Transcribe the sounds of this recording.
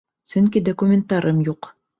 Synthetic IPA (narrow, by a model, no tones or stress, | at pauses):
sɵŋkid̪okumʲɪnt̪ɑɾɤmjuq